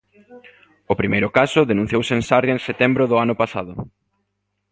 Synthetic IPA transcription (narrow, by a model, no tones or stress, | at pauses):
ʊpɾimejɾʊkasʊðenũ̟θjowsẽnsaɾjoẽnset̪ɛmbɾʊðʊanʊpasaðʊ